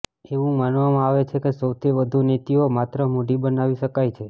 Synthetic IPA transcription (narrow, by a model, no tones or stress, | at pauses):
eʋũmanʋamãaʋet͡ʃʰekesəwt̪ʰiʋəd̪ʱunet̪iomat̪ɾəmoɖibənaʋiʃəkajt͡ʃʰe